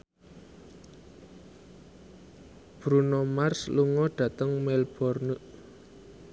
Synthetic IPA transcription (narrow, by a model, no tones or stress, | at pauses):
b̥ɾunomarsluŋɔɖ̥ä̤t̪əŋmɛlb̥ɔrnuʔ